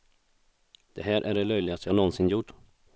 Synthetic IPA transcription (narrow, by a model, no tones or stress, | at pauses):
d̪̥ɛɦæːɾʔæɖɛlœjlɪɡast̪əjɑnɔnsɪnjʊʈː